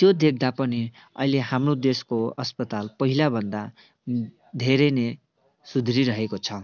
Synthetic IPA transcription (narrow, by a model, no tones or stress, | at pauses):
t̪jod̪ek̚ʰd̪apʌni | ʌ̰ileɦamrod̪eskoʌspʌt̪alpʌɦilabʱʌnd̪a | d̪ʱeɾʌne | sud̪ʱɾiɾʌɦekot͡sʰʌ